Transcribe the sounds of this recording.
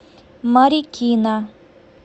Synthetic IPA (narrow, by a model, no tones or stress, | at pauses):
maɾiʔkːina